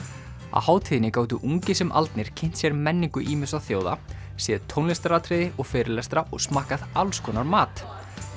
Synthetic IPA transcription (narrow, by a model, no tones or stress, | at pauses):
a̰ðhaːwt̪ʰiːðɪnɪkaːwt̪̬ʏʔuŋcɪsɛmʔa̰lt̪nɪɾ̥cʰɪn̥t̪sjɛɾmɛnːiŋkʏʔiːmɪsaθjoːwða̰ | sjɛːðɪt̪ʰownlɛst̪ɾat̪ʰɾɪðɪʔɔɣfɛːɾɪlɛst̪ɾaʔɔ̰ɣsmaːhkaðalskʰɔːnaɾmaːt̪